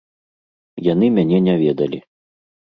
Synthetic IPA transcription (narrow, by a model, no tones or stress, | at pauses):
jan̪ɨmʲanʲɛnʲavʲɛd̪ɐlʲi